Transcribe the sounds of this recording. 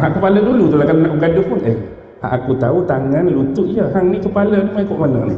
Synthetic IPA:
ɦaʔkəpalədulut̪ulahkalonaʔuɡadupʊnḛh | a̰ʔakut̪aut̪aŋanlut̪uʔijəɦaŋnikəpaləmaikɔʔmanə̰nḭ

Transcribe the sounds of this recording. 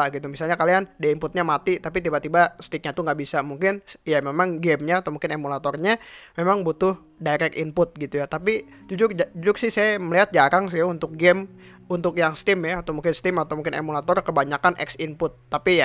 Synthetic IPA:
aɡit̪umisalɲakaliandaimpʊt̪̚ɲamat̪it̪apit̪ibat̪ibast̪ik̚ɲat̪uŋɡaʔbisamuŋkɪnjamemaŋɡɛmɲat̪amuŋkɪnemulat̪ɔrɲamemaŋbut̪ʊh | daɾɛkḭnpʊt̪̚ɡit̪ujat̪api | d͡ʒud͡ʒʊrd͡ʒud͡ʒʊrsɪhsajaməliɦat̪̚d͡ʒaɾaŋs̬ɪunt̪ʊk̚ɡɛm | unt̪ʊkjaŋst̪ɪmjaat̪awmuŋkɪnst̪ɪmat̪awmuŋkɪnḛmulat̪ɔrkəbaɲakanʔɛ̰ksinpʊt̪ːapija

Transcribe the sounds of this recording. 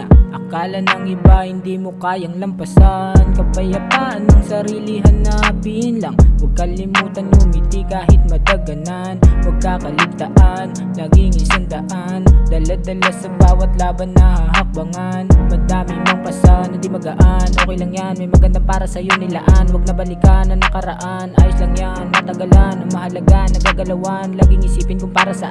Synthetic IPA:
ʔʔɐkaːlɐnɐŋɪbahɪnd̪iːmo̞kaːjɐŋlɐmpɐsankɐpɐjɐpaʔɐnːɐŋsɐɾiːliɦɐnːɐbiʔɪnlɐŋwɐɡ̚kɐlɪmuːt̪ɐnmomɪt̪ikaːɦɪt̪̚mɐd̪ɐɡɐnanwɐɡ̚kakɐlɪɡ̚t̪ɐʔanːɐɡɪŋɪsand̪ɐʔand̪ɐlad̪ɐlasɐbaːwɐt̪laːbɐnːɐhahɐk̚bɐŋanmɐd̪aːmɪmoŋpɐsanːɐd̪ɪmɐɡɐʔanʔo̞ːkɛjlɐŋjanmɐjmɐɡɐnd̪apaːɾɐsɐjonɪlɐ̰ʔanwɐɡ̚nɐbɐlɪkaːnɐnɐkɐɾɐʔanʔaːjoslɐŋjanmɐt̪ɐɡɐlanɐŋmɐhɐlɐɡaʔnːɐɡaːɡɐlɐwanlɐɡɪŋɪsiːpɪnkʊŋpaːɾɐsɐ

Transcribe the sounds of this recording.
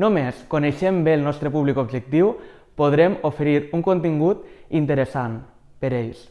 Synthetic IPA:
nomeskoneʃembelˠnɔst̪ɾəpuβlikobʒek̚t̪iw | poð̞ɾemofeɾiɾuŋkont̪iŋɡut̪int̪əɾesan | peɾeʎs

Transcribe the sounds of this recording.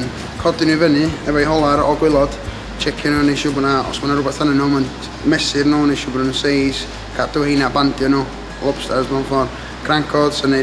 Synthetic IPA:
n | kʰɔdɪnuvənɨɛvajhɔlˠaɾɔ̰ɡwɪlˠɔd̥ | t͡ʃʰɛkʰjɔnuːnejʃʊbnaɔ̰smanaɾʊbɛrθhanənːomən | mɛsɪrnuːnejʃʊbnənsejs | kʰad̥əwejnabandjɔnu | lˠɔpstazmanfɔr | ɡ̥raŋkʰɔd̥səne

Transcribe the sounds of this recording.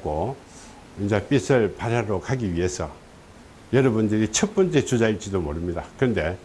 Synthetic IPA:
ɡo | ind͡ʑap͈isʰɯɭpaɾjaɾokʰaɡiɥiɦe̞sʰʌ̰ | jʌɾʌbundɯɾit͡ɕʰʌt̚p͈ʌnt͡ɕ͈et͡ɕud͡ʑaiɭt͡ɕ͈idomoɾɯmɲidakɯɯnde̞

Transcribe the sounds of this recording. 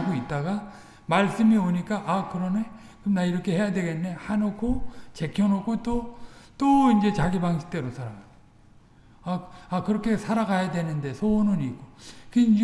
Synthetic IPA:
ɡoit̚t͈aɡa | maɭs͈ɯmioɲik͈aʔakɯɾʌne | kɯmnaiɾʌkʰe̞he̞jadwe̞ɡe̞nːe̞hanokʰot͡ɕe̞kʰjʌnokʰot͈ot͈oind͡ʑe̞t͡ɕaɡibaŋɕʰi̥t͈e̞ɾosʰaɾaɡao | aakɯɾʌkʰe̞sʰaɾaɡajadwe̞nɯnde̞sʰonɯniɡokɯi

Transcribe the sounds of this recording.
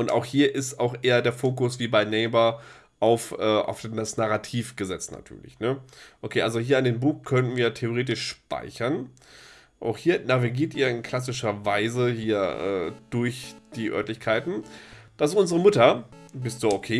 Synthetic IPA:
ʔʊnta̰ʊxhiːɐʔɪstaʊxʔeːɐdeːɐfoːkʊsv̥iːbaɪnɛɪbɐ | ʔaʊfʔɛːʔa̰ʊfasnaʁatʰiːfɡ̥əzɛt͡stna̰tʰy̰ːɐlɪ̰çnəʔokʰeːʔalzohiːɐɪndeːnbuːxkʰœnənviːɐtʰeoʁeːtɪʃʃpa̰ɪçɐn | ʔa̰ʊxhiːɐnaviɡiːɐtʔiːɐɪnkʰl̥as̬ɪʃɐvaɪzəhiːɐʔɛ̰ːd̥ʊɐçd̥iːʔœ̰ɐtlɪçkʰaɪtn̩d̥asʔʊnzəʁəmʊtɐbɪstz̥uʔokʰeː

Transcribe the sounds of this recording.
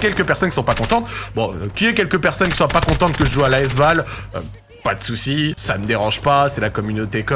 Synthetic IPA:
kʲɛlkəpɛʁsɔnkisɔ̃pakɔ̃t̪ɑ̃t̪bɔ̃kʲiɛk̬ʲɛlkəpɛʁsɔnkʲi̥swapakɔ̃t̪ɑ̃t̪̚kəʒəʒualaɛs̬valø | pad̪əsusisaməd̪eʁɑ̃ʒpasɛlakɔmynot̪ekɔ

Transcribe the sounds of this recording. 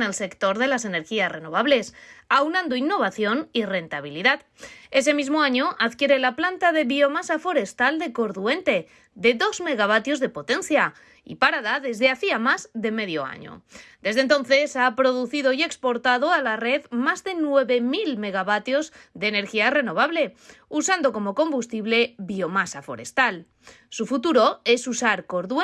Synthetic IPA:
nelse̞kt̪o̞ɾðe̞lase̞ne̞ɾxiasre̞no̞β̞aβle̞sawnãnd̪oinːo̞β̞aθjo̞nire̞nt̪aβ̞iliðað | e̞s̬e̞mizmo̞aɲo̞ʔaðkje̞ɾe̞laplant̪aðe̞βio̞masafo̞ɾe̞st̪ald̪e̞ko̞ɾðue̞nt̪e̞ | ðe̞ðo̞zme̞ɣ̞aβ̞at̪jo̞zðe̞po̞t̪e̞nθja | ḭpaɾaðaðe̞zðe̞aθiamazðe̞me̞ðjo̞̰a̰ɲo̰d̪e̞zðe̞nt̪o̞nθe̞sapɾo̞ð̞uθiðo̞ie̞kspo̞ɾt̪aðo̞alare̞ðmazðe̞nwe̞βe̞milme̞ɣ̞aβat̪jo̞zd̪e̞ːne̞ɾxiare̞no̞β̞aβle̞usand̪o̞ko̞mo̞ko̞mbust̪iβle̞βio̞masafo̞̰ɾe̞̰st̪al | sufut̪uɾo̞e̞susaɾko̞ɾðu

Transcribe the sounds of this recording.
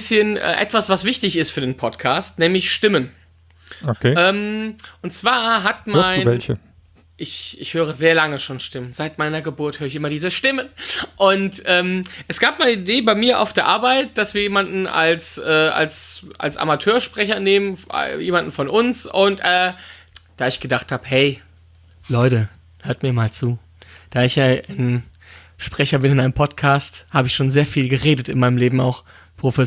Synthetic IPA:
sçənʔɛ̰ːʔɛ̰tv̥asv̥asv̥ɪçtɪçɪstfyːɐdeːnpʰɔtkʰaːstnɛːmlɪçʃtɪmən | okʰeɛːmʔʊntt͡sv̥aːɐɦatmaɪnvɛlçə | ʔɪçɪçhøːʁ̞əzeːɐlaŋəʃoːnʃtɪmənzaɪtmaɪnɐɡəbʊɐthøːʁɪçʔɪmɐdiːzəʃtɪmənʔʊntʔɛːmʔɛsɡ̥aːpmaɪnəideːbaɪmiːɐʔa̰ʊfd̥eːɐʔaːɐbaɪt̚d̥asv̥iːɐjeːmandn̩ʔa̰lsʔɛːa̰lsʔa̰lsʔa̰matʰøːɐʃpʁ̥ɛçɐneːmən̰jeːmandn̩fɔnʔʊnsʊntʔɛː | d̥aːɪçɡ̥ədaχthaːbəhɛɪ | lɔʏtə | høɐt̚miːɐmaːlt͡suː | d̥aːɪçaan | ʃpʁ̥ɛçɐbɪnɪnʔaɪnəmpʰɔtkʰaːsthaːbəɪçʃoːnzeːɐfiːlɡəʁeːdətɪ̰nmaɪnəmleːbm̩a̰ʊx | pʁ̥ofɛ

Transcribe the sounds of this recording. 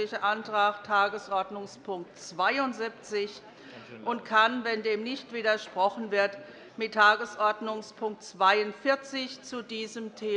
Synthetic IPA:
ɪçɐʔantʁ̥aːxtʰaːɡəsʔɔɐdnʊŋspʰʊŋk̚tt͡sv̥aɪʊntzɪp̚t͡sɪç | ʔʊntkʰanvɛndeːmnɪçtv̥iːdɐʃpʁ̥ɔχn̩vɪɐt | mɪtʰːaːɡəsʔɔɐdnʊŋspʰʊŋk̚tt͡sv̥aɪʊntfɪɐt͡sɪçt͡sudiːzəmtʰeː

